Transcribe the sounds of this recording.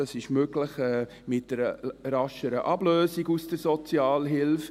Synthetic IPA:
ɑsɪʃmøɡlɪχɛː | mɪt̚d̥əɾəɾɑʃəɾəʔɑbløːsiɡusd̥əɾsɔt͡siɑːlɦɪlf

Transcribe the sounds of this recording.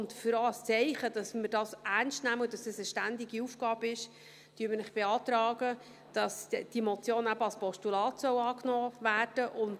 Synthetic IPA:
ʊndfʏɾost͡sɛɪχəd̥ɑsmədɑːsærnstnæməd̥ɑsɛsəʃtændɪɡiufɡ̥ɑːbəɪʃ | tyːmənɪχb̥eɑːt̪ɾɑːɡə | d̥ɑsd̥imɔt͡sjoːnæbəɑlspɔsʃtulɑːtsœwɑːknɔːvæːrd̥əʔʊnt

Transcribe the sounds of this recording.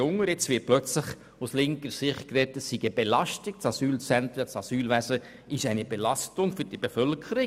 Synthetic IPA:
ʊŋəɾɛt͡sʋɪːplœt͡slɪχ | uslɪŋkəɾsɪχt̚kɾɛtəsːiɡəb̥elɑstɪk̚t͡sɑsyːlt͡sɛnt̪ɾət͡sɑsyːlʋæsə | ɪʃæɪnebelɑstʊŋfʏɾd̥ib̥efœlkʰəɾɪ

